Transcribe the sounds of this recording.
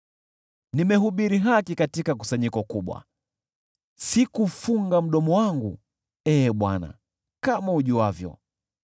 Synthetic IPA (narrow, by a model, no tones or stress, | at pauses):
nimɛɦuɓiɾiɦakikatikak̬u̥saɲikɔkuɓwa̰ | sikufuŋɡam̩ɗɔmɔwaŋɡu | ɛːɓwa̰na̰ | kamauʄuavjɔ̰